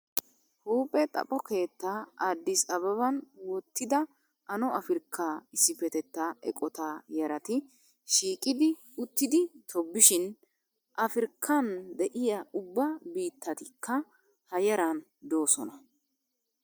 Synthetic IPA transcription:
huːpʼːɛt̪ʼɐ̰pʼɔke̞ːt̪ːaːaːd̪ːɪsɐβɐβɐnwɔt̪ːɪd̪ɐ | ɐnɔʔɐfɪɾkʰːaːɪsːɪfɛt̪ɛt̪ːaːɛ̰kʼɔt̪aːjɐɾɐt̪ɪ | ʃiːkʼɪd̪ɪ | ʊt̪ːɪd̪ɪt̪ʰɔbːɪʃɪn | ʔɐfɪɾkʰːɐnd̪ɛʔɪjaʊbːɐbiːt̪ːɐt̪ɪkʰːɐ | hɐjɐɾan | d̪o̞ːsɔnɐ

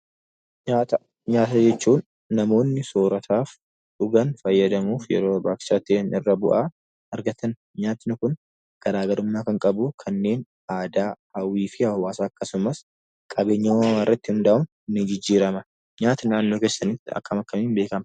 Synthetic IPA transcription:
ɲaːt̪ɐ | ɲaːt̪ɐd͡ʒɛt͡ʃːuːnː | ɐmo̞ːnːɪsoːɾɐt̪ʰaːf | ᶑʊɡɐnfɐjːɐd̪ɐmuːfjɛ̰ɾo̞ːbaːkɪ̥sɐt̪ːɪeːnʔɪrːɐbʊʔaː | ɐɾɡɐt̪ʰɐn | ɲaːt̪ɪnʊkʊn | ɡ̥ɐɾaːɡɐɾʊmːaːkɐŋkʼɐbukʰɐnːe̞ːn | aːd̪aːhɐwiːfɪhɐwaːsaːɐkːɐsʊmɐs | kʼɐbe̞ːɲːɐwawarːɐt̪ːɪʊnd̪aːʔʊn | nːɪd͡ʒɪd͡ʒːiːɾɐmɐ | ɲaːt̪ɐnaːnːo̞ːke̞ːsːɐnit̪ːɪɐ̰kːɐmɐkːɐmiːnbe̞ːkɐmɐ

